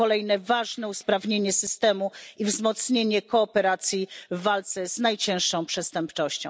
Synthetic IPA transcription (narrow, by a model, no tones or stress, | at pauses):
ɔlɛjnɛvaʐnɛuspɾavɲeɲɛsɘst̪ɛmuivzmɔt̪sɲeɲɛkɔːpɛɾat̪sʲjivːalt̪sɛz̥najt͡ɕɛ̃ʂːɔ̃w̃pʂɛst̪ɛmpt͡ʂɔɕt͡ɕɔ̃w